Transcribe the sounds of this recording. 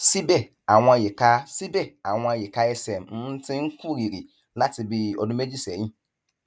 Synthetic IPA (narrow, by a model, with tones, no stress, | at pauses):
si˦bɛ˦˨ | a˨w̃ɔ̃˧a˨je˨ka˦si˦bɛ˦˨a˨w̃ɔ̃˧a˨je˨ka˧˦ɛ˧sɛ˨m̩˨˦tĩ˦ŋ̩˦ku˦˨ɾi˨ɾi˨ | la˦ti˧bi˧ɔ̰˨dũ˦me˦d͡ʒi˦sɛ̃˨˦ĩ˦˨